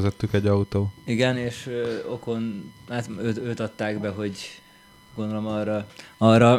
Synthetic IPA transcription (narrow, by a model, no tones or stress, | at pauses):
zɛt̪ːykɛɟːɒut̪oːiɡɛneːʃøo̞ko̞nhat̪øːt̪øːt̪ɒt̪ːaːɡbɛɦo̞ɟ | ɡond̪olo̞mɒːrːɒɒːrːɒ